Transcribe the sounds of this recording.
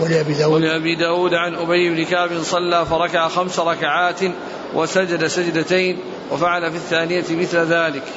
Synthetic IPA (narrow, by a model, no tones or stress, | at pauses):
walɪʔabiːd̪aːwwalɪʔabiːd̪aːwuːd̪ʕanʔʊbajːɪbnɪkaːbɪnsˤɑlːaːfɑɾˤɑkaʕaxamsaɾˤɑkaʕaːt̪ | wʔasad͡ʒad̪asad͡ʒd̪at̪ajn | wafaʕalafiθːaːnɪjat̪ɪmɪθlaðaːlɪk